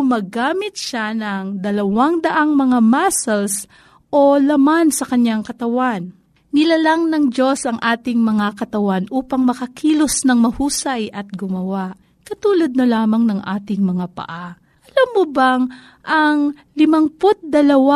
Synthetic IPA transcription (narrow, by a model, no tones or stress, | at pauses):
mɐɡaːmɪt̪̚ʃanɐŋd̪ɐlɐwaŋd̪ɐʔaŋmɐŋamasɐls | ʔo̞lɐmansɐkɐɲjaŋkɐt̪ɐwanː | ɪlalaŋnɐŋd͡ʒo̞sɐŋʔaːt̪ɪŋmɐŋakɐt̪ɐwanʔuːpɐŋmɐkɐkʰiːlosnɐŋmɐhuːsɐjʔɐt̪̚ɡʊmɐwaʔ | kɐt̪uːlɐd̪̚nɐlaːmɐŋnɐŋʔa̰ːt̪ɪŋmɐŋapɐ̰ʔa | ʔʔɐlamːobaŋ | ʔɐŋ | lɪmɐŋpot̪̚d̪ɐlɐwa